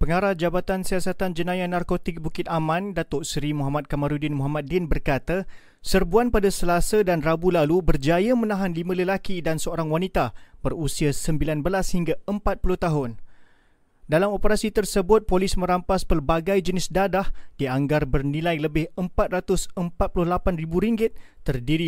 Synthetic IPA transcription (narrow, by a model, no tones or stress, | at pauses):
pəŋaɾahd͡ʒabat̪ansiasat̪and͡ʒənãjanarkot̪ɪk̚bukɪt̪̚amãndat̪ɔʔsɾimuɦamat̪̚kamaɾudɪnmuɦamat̪̚dɪnbərkat̪a | sərbuanpadasəlasədanrabulalubərd͡ʒajamə̃nãɦanlimə̃ləlakidansəoɾaŋwanit̪abərusiasəmbilanbəlashiŋɡaəmpat̪̚pulʊht̪aɦʊn | dalamopəɾasit̪ərsəbʊt̪̚polɪsmə̃ɾampaspərbaɡajd͡ʒənɪsdadahd̥iaŋɡarbərnĩlajləbɪhəmpat̪̚rat̪ʊsəmpat̪̚pulʊhlapanribuɾiŋɡɪt̪̚ːərdiɾi